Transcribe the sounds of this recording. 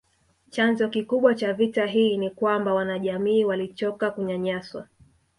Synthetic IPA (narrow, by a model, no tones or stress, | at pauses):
t͡ʃanzɔkikuɓwat͡ʃavitaɦiːnikwambawanaʄamiːwalit͡ʃɔkakuɲaɲaswa̰